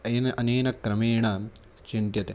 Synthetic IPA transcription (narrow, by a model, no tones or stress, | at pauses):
enɐʔɐneːnɐkɾɐmeːɳɐ | t͡ʃint̪jɐt̪e